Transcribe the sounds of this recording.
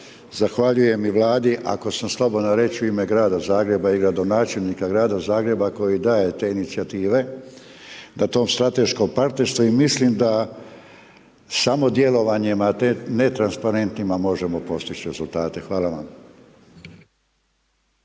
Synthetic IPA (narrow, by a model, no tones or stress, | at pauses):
zaxʋaʎuje̞miʋlˠaːd̪iʔa̰ko̞samslˠo̞bo̞d̪noɾe̞t͡ʃuimeɡɾaːd̪azaːɡɾe̞baiɡɾad̪o̞naːt͡ʃe̞lʲnikaɡɾaːd̪azaːɡɾe̞bako̞jid̪aːje̞t̪e̞ːinit̪siat̪iːʋe̞ | nat̪o̞ːmst̪ɾat̪e̞ʃko̞mpaɾt̪ne̞ɾst̪ʋuimislimd̪a | samo̞d̪je̞lo̞ʋaɲimat̪ene̞t̪ɾanspaɾe̞nt̪nimamo̞ʒe̞mo̞po̞st̪it͡ɕɾe̞zulˠt̪aːt̪e̞xʋaːlaʋa̰m